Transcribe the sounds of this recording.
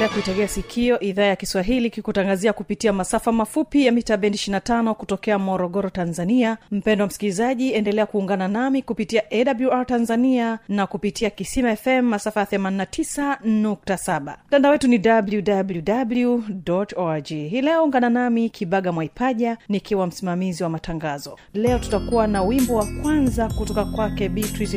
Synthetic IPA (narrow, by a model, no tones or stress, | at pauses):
lɛakuitaliasikʰiɔʔiðaːjakiswaɦilikikutaŋɡaziakupitiamasafamafupijamitaɓɛntiʃinatanɔkutɔkɛamɔɾɔɠɔɾɔtanzaniam̩pɛndɔwam̩skilizaʄiɛndɛlɛakuːŋɡananamikupitiaʔɛɗabluaɹtanzanianakupitiakisimaɛfɛmːasafajaθɛmaninatʰisanuk̚tasaɓa̰m̩tandaɔwɛtunidabljudabljudabljudɔtɔad͡ʒiɦilɛɔuŋɡananamikʰiɓaɠamwaipaʄanikiwam̩simamiziwamataŋɡazɔ | lɛɔtu̥takuwanawimbɔwakwanzakutɔkakwakɛɓitɾiz